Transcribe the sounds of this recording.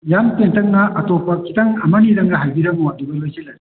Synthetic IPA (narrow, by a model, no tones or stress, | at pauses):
jamtentɐŋnɐʔɐtopɐkʰi̥tɐŋɐmɐnidɐŋɾɐɦajbiɾɐbuwadubɐjlojzelɐi